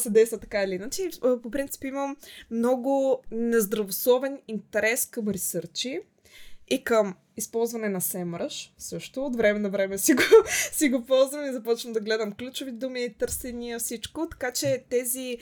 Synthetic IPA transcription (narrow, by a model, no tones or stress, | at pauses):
sɛd̪ɛjst̪vət̪ɐkailiinat͡ʃipopɾint̪i̥piməmːnɔɡʊnɛzd̪ɾɐvoslˠɔvɛnint̪ɛɾɛskəmɾisɤɾt͡ʃi | ikəm | ispɔlˠzvɐnɛnɐsɛmɾəʃsɤʃt̪ʊot̪vɾɛmɛnɐvɾɛmɛsiɡosiɡopɔlˠzvɐmizɐpɔt͡ʃvəmd̪ɐɡlɛd̪əmklʲut͡ʃovid̪umiit̪ɤɾsɛnijəfsit͡ʃkʊt̪ɐ̥kat͡ʃɛt̪ɛzi